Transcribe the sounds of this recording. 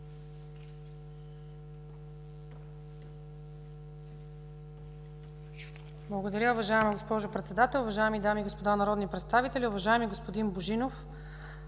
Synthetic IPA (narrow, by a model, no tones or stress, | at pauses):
blˠɐɡod̪ɐɾʲəʊvɐʒaɛmɐɡospɔʒʊpɾɛt̪sɛd̪at̪ɛlˠʊvɐʒaɛmid̪amiːɡospod̪anɐɾɔd̪nipɾɛt̪st̪avit̪ɛlʲiʊvɐʒaɛmiɡospod̪inboʒinof